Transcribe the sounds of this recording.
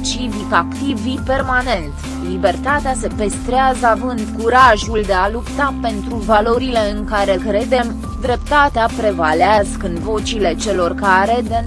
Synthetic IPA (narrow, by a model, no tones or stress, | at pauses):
t͡ʃivikakt̪ivipe̞rmane̞nt̪ | libe̞rt̪at̪ease̞pest̪ɾeazəavɨnd̪kuɾaʒuld̪e̞alupt̪ape̞nt̪ɾuvalo̞ɾile̞ɨŋkaɾe̞kɾe̞d̪e̞m | d̪ɾe̞pt̪at̪eapɾe̞valeazkɨnvo̞t͡ʃile̞t͡ʃe̞lo̞rkaɾe̞d̪e